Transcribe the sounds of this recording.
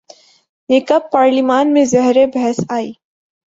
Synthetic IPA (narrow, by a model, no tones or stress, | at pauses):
jeːkɐb̚paːɾlimaːnmẽzɛɦɾebɛɦɛsaːiː